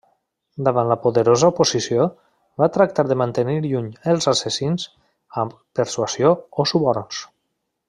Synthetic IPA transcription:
d̪əβanləpuðəɾozəupuzisjo | bat̪ɾak̚t̪aɾðəmant̪əniɾʎuɲəlˠzasəsinz | əm | pəɾswasjoosuβɔɾns

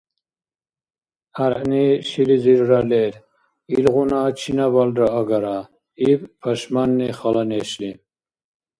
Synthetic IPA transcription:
aɾʔniʃiliziɾːalɛɾ | ilɣunat͡ʃʰinabald̪ɾaːɡaɾa | ibpʰaʃmanːiχalanɛʃli

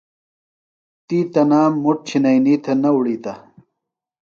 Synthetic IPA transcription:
t̪iːt̪ɐnaːmːuʈ̚t͡ɕʰinɐjniːt̪ʰɐnɐwuɽiːt̪ɐ

